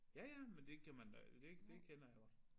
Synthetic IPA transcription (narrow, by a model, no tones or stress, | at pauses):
jæjæmend̥e̝kʰæmænd̥e̝d̥e̝kʰenɐjaɡ̥ɒd̥